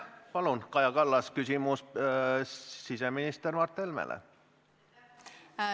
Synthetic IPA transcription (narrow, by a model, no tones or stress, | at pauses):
pɑlunkɑjɑkɑlːɑskysimus | siseminist̪ermɑrt̪ˑːelmḛlʔḛ